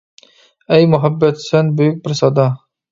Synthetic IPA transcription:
ɛjmʊɦæbːɛt̪sɛnbøjyk̚ʲbɪɾsɑd̪ɑ

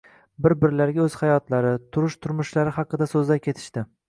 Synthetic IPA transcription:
bɪɾbɪɾlaɾɡʲaɵz̥hajɒt̪laɾɪt̪ʰʊɾʊʃt̪ʰʊɾmʊʃlaɾɪhɑqːɨd̪asɵzlakʲʰe̞t̪ʰɪ̥ʃt̪ɪ

